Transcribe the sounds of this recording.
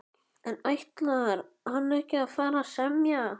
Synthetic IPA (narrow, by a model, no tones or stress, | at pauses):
ɛnajht̪laaɾ | hanːɛhcɪaðfaːɾasɛmja